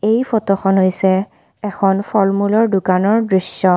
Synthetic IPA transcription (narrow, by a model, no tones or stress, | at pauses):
ejpʰɔtɔxʰɔnɦojsɛ | ɛkʰɔnpʰɔlmulɔɹdukanɔɹdɹisɔ